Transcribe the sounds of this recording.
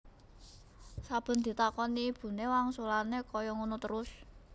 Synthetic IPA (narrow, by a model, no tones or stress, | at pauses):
sab̥ə̤nd̪̥i̤t̪akɔniːb̥ṳnewaŋsulanekɔjɔŋunɔt̪əɾʊs